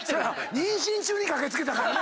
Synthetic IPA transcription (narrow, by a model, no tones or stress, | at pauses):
soɾeaɲĩɰ̃ɕĩɲt͡ɕɨːɲikake̞t͡sɨke̞t̪akaɾa